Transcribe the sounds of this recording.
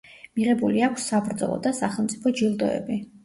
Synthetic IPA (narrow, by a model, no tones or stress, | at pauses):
miʁɛbuliakʷʰsːabɾd̪zɔ̰lˠɔ̰d̪asaχɛlˠmt̪sʼipʰɔd͡ʒilˠd̪ɔɛ̰bi